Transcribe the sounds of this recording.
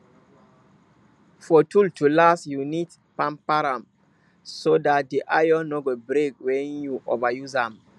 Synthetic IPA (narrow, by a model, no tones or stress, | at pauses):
fɔtʰultulasjunid | pãmpaɾãm | sodat̚diʔajɔnɔɡɔbɾekwɛ̃njuʔo̰vajuzãm